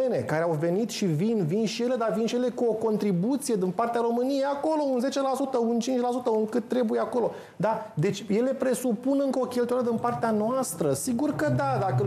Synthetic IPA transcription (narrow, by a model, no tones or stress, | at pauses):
ene̞kaɾe̞awve̞nit̪ʃivinvinʃije̞le̞d̪avinʃije̞le̞kuo̞ko̞nt̪ɾibut̪sije̞d̪inpart̪eaɾo̞mɨnijejako̞lo̞unze̞t͡ʃe̞lasut̪əunt͡ʃint͡ʃʲlasut̪əɨŋkɨt̪ːɾe̞bujeako̞lo̞ | d̪ad̪e̞t͡ʃʲje̞le̞pɾe̞supunɨŋkəo̞kʲe̞lt̪ujaɾəd̪inpart̪eanoast̪ɾəsiɡurkəd̪ad̪akə